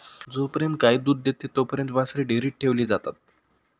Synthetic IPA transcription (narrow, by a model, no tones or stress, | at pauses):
d͡zopəɾjənt̪̚kaid̪uːd̪ːet̪et̪opəɾjənt̪ʋasɾiɖeɾiːʈ̚ʈʰeʋliːd͡zat̪at̪̚